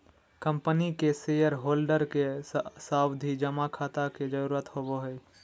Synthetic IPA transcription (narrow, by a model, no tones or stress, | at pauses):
kə̃mpənikesejəɾɦoːlɖəɾkesaːwd̪ʱid͡ʒəmakʰaːt̪aked͡ʒəɾuːɾət̪hoboɦəj